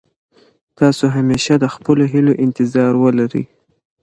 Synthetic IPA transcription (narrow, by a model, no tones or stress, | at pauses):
t̪ɑsoɦameʃad̪əxpəloɦiloʔɪnt̪ɪzɑɾwəlaɾə̰j